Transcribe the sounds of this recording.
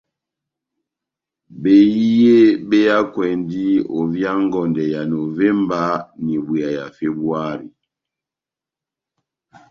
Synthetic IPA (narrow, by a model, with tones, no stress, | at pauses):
be˨ji˦je˦ɓe˦ja˦kwɛ˨ndi˦o˨vja˦ŋ˦ɡɔ˨ndɛ˨ja˨no˨vɛ˦mba˦ni˨ɓwu˨a˨ja˨fe˦bu˦a˦ɾḭ˨